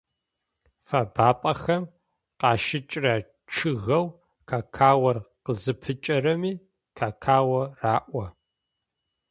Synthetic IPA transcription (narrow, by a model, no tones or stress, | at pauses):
faːbaːpʼɐxɐm | qɑːʃɪt͡ʃʼrɐ | ʈ͡ʂʰɨɣɐw | kʰaːkʰaːwɐrqəzɨpʰɨt͡ʃʼɐrɐmiː | kʰaːkʰaːwɐraːʔʷɐ